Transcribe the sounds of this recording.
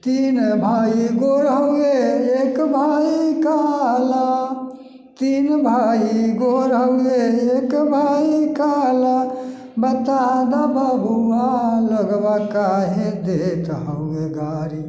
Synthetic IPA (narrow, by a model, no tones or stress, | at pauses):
t̪inbʱaːiɡoɾɦəʊeekbʱaːiikala | t̪inbʱaiɡoɾɦəweekbʱaikala | bət̪ad̪abəbʱuwaləɡbakaɦẽd̪et̪ɦəueɡaːɾi